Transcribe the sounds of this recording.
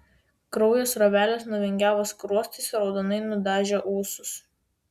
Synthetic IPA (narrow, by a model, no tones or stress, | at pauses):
kɾɔʊjoːsɾɐʋʲæːlʲeːsnʊʋʲɛŋʲɡʲæːʋoːskɾuɔsʲt̪ʲɪsɾɒʊd̪onɐɪnʊd̪ɑːʒʲeʔuːsʊs